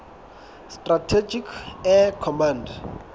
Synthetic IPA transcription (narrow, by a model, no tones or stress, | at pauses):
stʼratʰed͡ʒikʰɛkʰɔmãnd